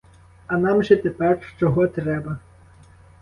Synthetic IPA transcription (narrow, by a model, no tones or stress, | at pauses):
ɐnɑmʒɛt̪ɛpɛrʃt͡ʃɔɦɔt̪ɾɛbɐ